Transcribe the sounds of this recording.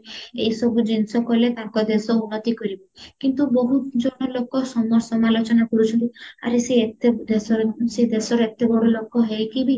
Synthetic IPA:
eisɔbud͡ʒinsɔkɔlet̪aŋkɔd̪esɔunːɔt̪ikɔɾibɔkint̪uboɦud͡ʒɔɽ̃ɔlokɔsɔmɔɾsɔmalot͡ʃɔnakɔɾut͡ʃʰɔnt̪ia̰ɾesed̪ssed̪esɔɾɔet̪ebɔɽɔlokɔɦejkibi

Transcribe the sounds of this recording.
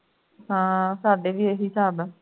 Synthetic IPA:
ɦãːsaːɖeːʋiːeːɦisaːb

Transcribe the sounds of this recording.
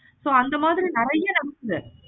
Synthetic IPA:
soːɐnd̪ɐmaːðɪɾinɪɾɐjːɐnɐɽɯkːɯɾɯ

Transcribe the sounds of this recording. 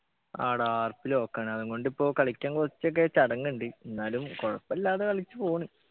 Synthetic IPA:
aːɽaːrpːilokːeːɳɨɐðuŋɡo̞ɳɖipːo̞ːkɐɭikʲːaːŋkurɐt͡ɕːok̬ːet͡ɕɐɽɐŋːuɳɖienːaːlumkorɐpːɐlːaːðekɐɭit͡ɕːɨpo̞ːɳi

